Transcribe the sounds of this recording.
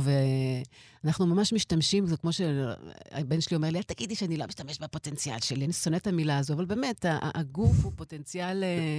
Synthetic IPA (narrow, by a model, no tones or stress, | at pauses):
ve | anaχnumamaʃmiʃtamʃimzokmo̞ʃea̰benʃelio̞meliataɡidiʃeanilo̞miʃt̪ameʃbepo̞te̞nt͡sia̰lʃelianiso̞netamilaːzoavalbe̞ːmeta̰ʔaɡufhupo̞te̞nt͡sjale